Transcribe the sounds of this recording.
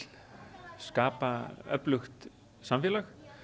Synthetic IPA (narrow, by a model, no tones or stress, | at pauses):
l | skaːpaœ̰plʏxt̪ | samfɛːlax